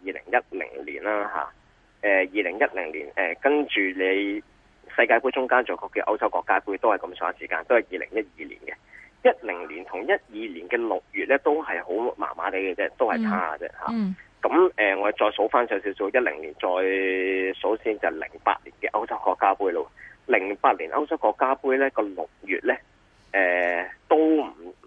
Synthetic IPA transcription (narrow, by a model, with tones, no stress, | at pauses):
jiː˨˧lɪ̰˨˩ŋjɐ˥t̚lɪ̰˨˩ŋlḭː˨˩nlaː˥ɦa̰ː˨ | ɛː˨jiː˨˧lɪ˨˩ŋjɐ˥t̚lɪ˨˩ŋlḭː˨˩nɛː˨˩kɐ˥nt͡ʃyː˨le˨˧j | sɐ˧jkaː˧jpuː˥t͡ʃʊ˥ŋkaː˥nt͡ʃɔː˨˩kɔː˧kːɛː˧ʔɐ˥wt͡sɐ˥wkɔː˧kːaː˥puː˥jt̪o˥whɐ˨jkɐ˨˧˥msœː˨˥ŋɐ˨siː˨˩kaː˧nt̪o˥whɐ˨jiː˨lɪ̰˨˩ŋjɐ˥t̚jiː˨lḭ˨˩nkɛ˧jɐ˥t̚lɪ˨˩ŋliː˨˩nt̪ʰʊ˨˩ŋjɐ˥t̚jiː˨˧liː˨˩nkɛː˧lʊ˨k̚jyː˨t̚lɛː˥t̪o˥wɦɐ˨jho˨˥wma̰ː˨˩nma̰ː˨˥t̪e˨˥jkɛ˧t͡sɛː˥t̪o˥whɐ˨jt͡sʰaː˥a̰˧t͡sɛ̰ː˥ha̰ː˨kɐ˨˥mɛː˨ŋɔː˨˧˨t͡sɔː˧jso˨˥wfaː˥nsœː˨˧˥ws̬i˨˥wsi˧jɐ˥t̚lɪ̰˨˩ŋliː˨˩nt͡sɔː˨jso˨˥wsiː˧˥nt͡sɐ˨lɪ̰˨˩ŋpa̰ː˧t̚liː˨˩nkɛː˧ʔɐ˥wt͡sɐ˥wkɔː˧kːaː˥puː˥jlo˧lɪ˨˩ŋpaː˧t̚liː˨˩nʔɐ˥wt͡sɐ˥wkɔː˧kːaː˥puː˥jlɛː˥kɔː˧lʊ̰˨k̚jy̰ː˨t̚lɛː˥ | ʔɛː˨t̪o˥wm̩˨˩